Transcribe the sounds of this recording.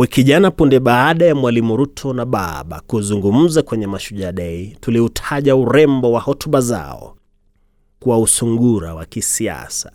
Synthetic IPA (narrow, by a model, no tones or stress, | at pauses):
wikiʄanapundɛɓaːɗajamwalimuɾutʰɔnaɓaɓa̰kuzuŋɡum̩zakwɛɲɛmaʃuʄaɗɛituliutʰaʄauɾɛmbɔwahɔtuɓaza̰ɔ̰ | kwausuŋɡuɾa̰wa̰kisia̰sḁ